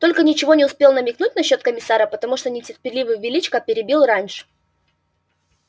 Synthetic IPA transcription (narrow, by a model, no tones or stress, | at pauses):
t̪o̞lʲkənʲɪt͡ɕɪvo̞nʲɪʊspʲe̞lˠnəmʲɪknut̚ʲnɐɕːo̞t̪̚kəmʲɪsaɾəpət̪ɐmuʂt̪onʲɪtʲɪrpʲɪrlʲivɨjvʲɪlʲit͡ɕkəpʲɪɾʲɪbʲilˠranʲʂɨ̥